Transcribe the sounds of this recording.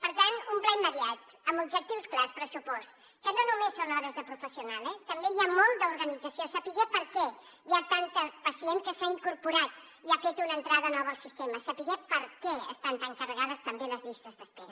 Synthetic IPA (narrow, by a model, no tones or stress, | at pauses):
pəɾt̪anumplɛjməɾiat̪ | əmubʒək̚t̪iwsklaspɾəsupɔs | kənonumesːonɔβəzðəpɾufəsiunalɛt̪əmbejamɔlˠd̪əuɾɣənid͡zəsiosəpiɣɛpəɾkɛ | jat̪ant̪əpəsieŋkəsaiŋkuɾpuɾat̪ | iafet̪unənt̪ɾaðənɔβəːlˠsist̪eməsəpiɣɛt̪̚pəɾkɛə̰st̪ant̪aŋkərəɣaðəst̪əmbeləzʎist̪əzðəspɛɾ